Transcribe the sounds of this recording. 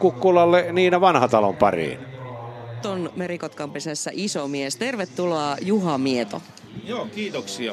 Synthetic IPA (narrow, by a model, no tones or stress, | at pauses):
kukːulɑlːeniːnæʋɑnhɑt̪ɑlompɑrḭːn | t̪onmeɾikot̪kɑmpesæsːæʔisomiest̪e̞rʋet̪ːuloɑjuɦɑmiet̪o̰ | joːkiːt̪oksiɑ